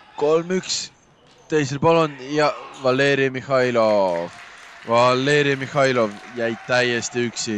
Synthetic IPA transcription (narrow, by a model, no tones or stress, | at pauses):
ko̞lmyks | t̪e̞js̬elpolonjɑvɑlːeːɾimihɑjlovvɑlːe̞ːɾiɑmihɑjlo̞vjæjt̪æjːest̪iyksi